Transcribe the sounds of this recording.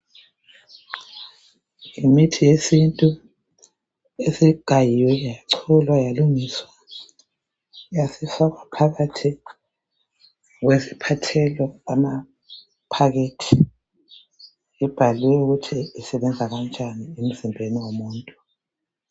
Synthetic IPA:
imitʰijesintʼu | esiɡ̥ʱajijwɛjajaǀʰɔlwajaluŋiswa | jasifaɣwapʰaɣatʰi | ɣwezipʰatʰɛlɔama | pʰaɣetʰi | ib̥ʱaliwɛuɣutʰiisɛβɛnd͡zʱaɣand͡ʒʱʼaniem̩zimbʱeniwomuːntʼu

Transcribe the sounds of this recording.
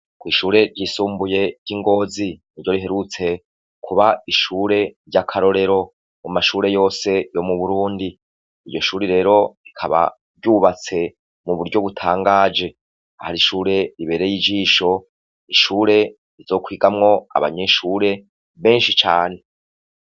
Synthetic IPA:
kwiːʃuːɾe̞ɾɟiːsuːmbuje̞ɟiŋɡo̞ːziniɾɟo̞ɾiɦe̞ɾut͡se̞ | kʰuβaiʃuːɾe̞ɾɟakʰaɾo̞ɾe̞ɾo̞ | mumaʃuːɾe̞jo̞ːse̞jo̞muβuɾuːndi | iɟo̞ʃuːɾiɾe̞ːɾo̞ɾikʰa̰βa̰ | bɟuːβat͡se̞ | muβuɾɟo̞βutʰaːŋɡaːd͡ʒe̞ | ahaɾiʃuːɾe̞ɾiβe̞ːɾejid͡ʒiːʃo̞ | iʃuːɾe̞ | ɾizo̞ːkwiːɡamŋo̞a̰βa̰ɲeʃuːɾe̞ | βe̞ːnʃit͡ʃa̰ːne̞

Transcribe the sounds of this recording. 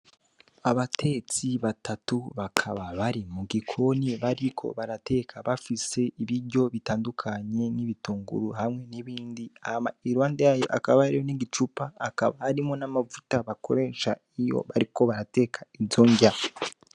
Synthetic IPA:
aβatʰe̞t͡siβatatuβakʰaβaβaɾimuɡikʰo̞niβaɾikʰo̞̰βaɾate̞kʰaβafise̞iβiɾɟo̞βitaːndukʰaɲe̞niβituːŋɡṵɾuhamŋe̞niβiːndiamaiɾwaːndejajoʔa̰kaβahaɾijoniɡit͡ʃupaːka̰βahaɾimo̞namavutaβakʰo̞̰ɾe̞ːʃa | ijo̞̰βaɾiko̞βaɾate̞kʰaizoɲɟa

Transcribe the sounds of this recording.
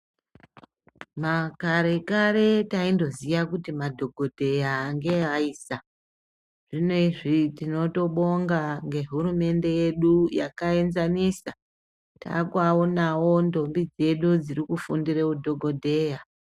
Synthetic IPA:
makaɾe̞kaɾe̞taindo̞zijakutimadʱo̞ɡʱo̞dʱe̞jaːŋɡe̞aiːsa | ʐ̥inoiʐitino̞to̞ɓo̞ŋɡaŋɡe̞ɦuɾume̞nde̞je̞ɗuja̰kae̞nzanisa | ta̰kwaonawo̞ndo̞mbid͡ze̞ɗud͡ziɾikufundiɾekudʱo̞ɡʱo̞dʱe̞ja

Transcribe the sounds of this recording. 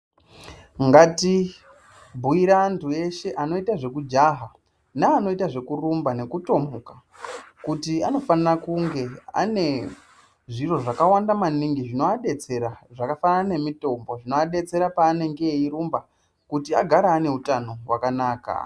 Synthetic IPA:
ŋɡati | bʱuiɾantʰue̞ʃe̞ʔano̞itaʐe̞kud͡ʒaɦa | naːno̞itaʐe̞kurumbane̞kuto̞muka | kutiano̞fanirakuŋɡe̞a̰ne̞ | ʐiro̞ʐakawandamaniŋɡiʐinoaɗe̞t͡se̞ɾaʐakafanaaane̞mito̞mbo̞ʐino̞aɗe̞t͡se̞ɾapaːne̞ŋɡe̞iɾumba | kutia̰ɡʱaɾaːne̞utano̞wakanaːka̰

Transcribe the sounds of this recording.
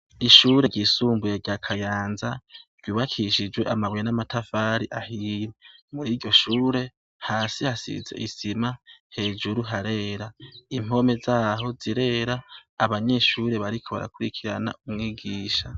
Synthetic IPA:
iʃuɾe̞ɟisuːmbujeɾɟakʰajaːnzḁɟ̥j̥uːβakʰiʃid͡ʒwe̞ʔamaβwenamatafaːɾiʔahiɾemuɾiːɟo̞ʃuːɾe̞ | haːsihasḭze̞̰ʔisimahe̞ːd͡ʒuɾuɦaɾe̞ːɾaim̥o̞me̞zaːɦo̞ziɾe̞ɾaːβaɲe̞ʃuːɾe̞βaɾikʰo̞βa̰ɾa̰kuɾikʰiɾa̰na̰umŋiːɡiːʃa

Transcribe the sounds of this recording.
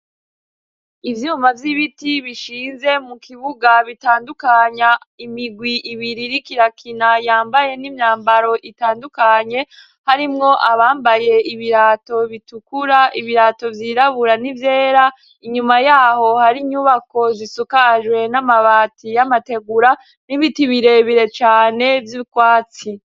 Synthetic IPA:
ivjuːmavjiβitiβiʃiːnze̞mukiβuɡaβitaːndukaɲa | imiɡwiʔiβiɾiɾikiɾakʰinajaːmbaje̞nimɲaːmbaɾo̞ʔitaːndukaɲe̞ | haɾimŋo̞ʔaβaːmbaje̞iβiɾaːto̞βitukuɾaiβiɾaːto̞vjiɾaβuɾanivje̞ːɾa | iɲumajaːho̞haɾiɲuβako̞zisukaʒwe̞namaβaːtijamate̞ɡuɾa | niβitiβiɾe̞βiɾe̞t͡ʃaːne̞vjikwaːt͡si

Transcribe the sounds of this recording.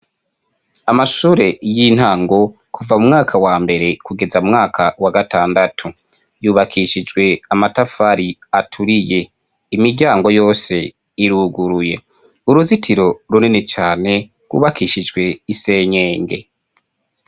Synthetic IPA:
amaʃuːɾe̞jin̥haːŋɡo̞ | kʰuvamumŋaːkʰawaːmbe̞ɾe̞kuɡe̞zaumŋaːkʰawaɡataːndatʰu | juːβakʰiʃid͡ʒɡwe̞amatafaɾiatʰuɾije̞ | imiɾɟaːŋɡo̞jo̞ːse̞ | iɾuɡuɾuje̞ | uɾuzitʰiɾo̞ɾuninet͡ʃaːne̞ | ɡwṵːβakʰiʃid͡ʒɡwe̞ise̞ːɲeːŋɡe̞̰

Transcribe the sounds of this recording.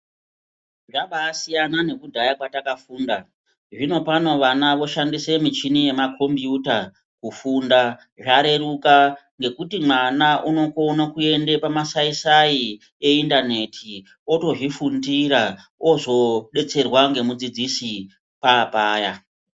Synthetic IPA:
ʐaɓaːsijanane̞kudʱajakwatakafuːnda | ʐino̞pano̞ʋanaʋo̞ʃandise̞mit͡ʃinije̞makʰo̞mbjuta | kufunda | ʐaɾe̞ruka | ŋɡe̞kutimwanaʔuno̞konakue̞nde̞pamasaisai | e̞indane̞tʰi | o̞to̞ʐifundiɾaozo̞ɗe̞t͡se̞rwaŋɡe̞mud͡zid͡zisi | paːpaːja

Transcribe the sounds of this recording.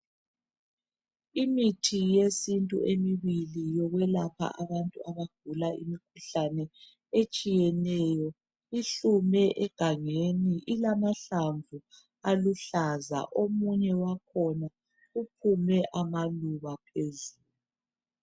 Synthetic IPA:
imitʰijesintʼṵʔemiβilijɔɣwɛlapʰa̰ʔaβantʼuaβaɡ̥̚ʱulaʔḭmikʰuɬanɛ | et͡ʃʼijɛnɛjɔ | iɬumɛʔɛɡ̥ʱaŋeniʔilamaɬaɱvu | aluɬaza̰ʔomuɲɛwakʰɔna | up̚ʰumɛʔamaluβapʰezuːl | u

